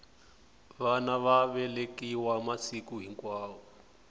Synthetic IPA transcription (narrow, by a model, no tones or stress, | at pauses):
βanaβaβɛlekiwamasikuɦiŋkwaːwɔ